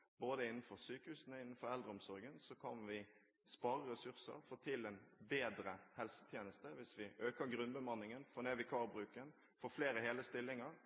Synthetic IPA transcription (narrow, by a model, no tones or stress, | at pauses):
boːd̪əɪnːən̩fɔɾsyːkəhʉːsənɔɪnːn̩fɔɾɛld̪ɾəɔmsɔɾɡənsɔkʰɑnʋɪ | spɑːɾəɾɛsʉʁsə̰ɾfɔt̪ʰɪlɛnbeːd̪ɾəhɛlsə̥t̪ʰjeːnəst̪əʋɪsʋɪʔøːkəɾɡɾʉnbəmɑnːɪŋənfɔneːʋɪkʰɑːʁbɾʉːkən | fɔfleːɾəɦeːləst̪ɪlːɪŋəɾ